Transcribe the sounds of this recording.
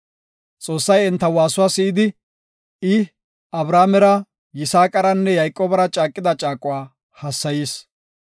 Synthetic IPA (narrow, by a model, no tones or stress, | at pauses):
t͡sʼo̞ːsːɐjɛnt̪ːɐwaːsʊwaːsɪʔɪd̪ɪ | ɪ | ɐbɾaːmɛɾɐ | jɪsaːkʼːɐɾɐnːɛjɐjkʼːoːbɐɾɐt͡ʃʼaːkʼːɪd̪ɐt͡ʃʼaːkʼʊwaː | hɐsːɐjiːs